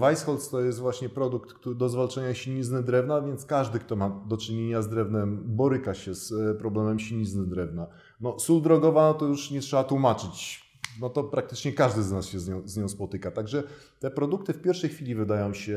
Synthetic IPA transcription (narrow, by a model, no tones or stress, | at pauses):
vajsxɔlt̪st̪ɔjɛst̪vwaɕɲɛpɾɔd̪ukt̪ktud̪ɔzvalt͡ʂaɲaɕiɲiznɘd̪ɾɛvnavʲjɛnt̪skaʐd̪ɘkt̪ɔmad̪ɔt͡ʂɘɲeɲazd̪ɾɛvnɛmbɔɾɘkaɕɛspɾɔblɛmɛmɕiɲiznɘd̪ɾɛvna | nɔsuld̪ɾɔɡɔvanɔt̪ɔjuʂɲɛtʂɛbat̪wumat͡ʂɘt͡ɕ | nɔt̪ɔpɾak̚t̪ɘt͡ʂɲɛkaʐd̪ɘznasɕɛzɲɔ̃w̃zɲɔ̃w̃spɔt̪ɘkat̪aɡʐɛ | t̪ɛpɾɔd̪uk̚t̪ɘfpʲjɛɾfʂɛjxfʲilʲivɘd̪ajɔ̃w̃ɕɛ